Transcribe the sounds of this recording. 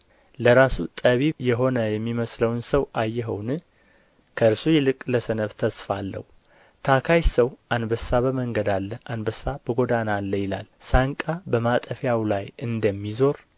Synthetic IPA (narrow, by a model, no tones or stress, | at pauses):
ləɾasut̪ʼəβijɛɦo̞nəjɛmːiməsləwnsəwʔajːɛɦə̰wnɨ | kʰəɨɾsujɛlɨkʼləsənəβt̪ʰəsfalːə̰hu | t̪ʰakʰajsəwʔanbəsaβəməŋɡəd̪alːəʔanbəsːabəɡo̞d̪analːəjɪla̰lsaŋkʼabəmat̪ʼəfjawlajʔɨnd̪əmːizo̞ɾ